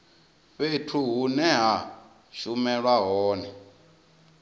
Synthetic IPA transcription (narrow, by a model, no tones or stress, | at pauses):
ɸetʰuɦunɛɦa | ʃumɛɺwaɦɔːnɛ